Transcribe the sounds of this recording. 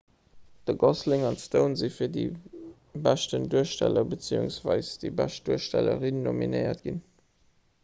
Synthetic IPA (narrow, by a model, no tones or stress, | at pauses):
d̥əɡɔslɪŋɑntstəʊnzifiːɐdi | bæʃtənduəʃtælɐbət͡sḭṵŋsv̥ɑɪsd̥ibæʃt̚d̥uəʃtælə̰ʁinːomḭneɪɐ̰tɡ̥in